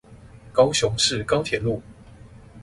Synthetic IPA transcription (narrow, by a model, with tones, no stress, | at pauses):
kɑ˥ʊɕʊ˧˦ŋʂɻ̩˥˨kɑ˥˦ʊt̪ʰjɛ˨˩˦lu˥˨